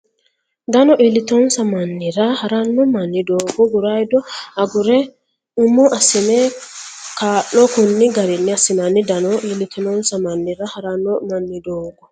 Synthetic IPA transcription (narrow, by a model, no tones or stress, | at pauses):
d̪ɐnɔʔilɪt̪onsɐmɐnːɪɾahɐɾanːɔmɐnːɪd̪oːɡɔɡʊɾajd̪ɔɐɡʊɾɛ | ʊmɔʔɐsɪne | kaːʔɔkʊnːɪɡɐɾɪnːɪɐsɪnanːɪd̪ɐnɔʔilɪt̪ʰɪnonsɐmɐnːɪɾahɐɾanːɔmɐnːɪd̪oːɡɔ